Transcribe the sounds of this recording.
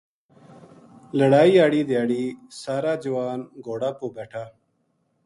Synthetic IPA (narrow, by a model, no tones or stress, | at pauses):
ləɽaːiaːɽiːd̪jaːɽisaːɾaːd͡ʑɐwaːnɡoːɽaːpoːbeʈʰa